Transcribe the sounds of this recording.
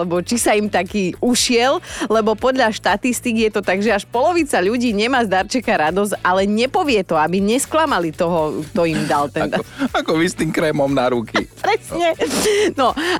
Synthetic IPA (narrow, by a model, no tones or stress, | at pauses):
ɛbɔt͡ʃisaimt̪akiːuʃɪɛllɛbɔpɔd̪ʎaʃt̪at̪ist̪ikijɛt̪ɔt̪aɡʒɛaʃpɔlɔʋiːt͡saʎuɟiːɲɛmaːzd̪aɾt͡ʃɛkaɾad̪ɔzalɛɲɛpɔʋɪɛt̪ɔabiɲɛsklamalit̪ɔɦɔkt̪ɔimd̪alt̪ɛakɔist̪imkɾɛmɔmnaɾukḭpɾɛsɲɛnɔ